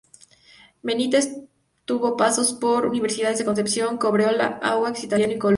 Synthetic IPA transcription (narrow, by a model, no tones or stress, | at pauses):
menit̪es | t̪uβo̞paso̞spo̞ɾuniβ̞e̞ɾsiðaðezðeko̞nsepsjo̞ŋko̞βɾeola̰a̰ɣwaksit̪aljanoikol